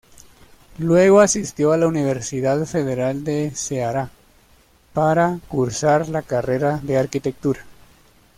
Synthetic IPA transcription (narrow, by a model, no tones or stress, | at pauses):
lwe̞ɣo̞asist̪jo̞alauniβ̞e̞ɾsiðaðfe̞ðe̞ɾald̪e̞seaɾa | paɾakuɾsaɾlakare̞ɾaðe̞aɾkit̪e̞k̚t̪uɾa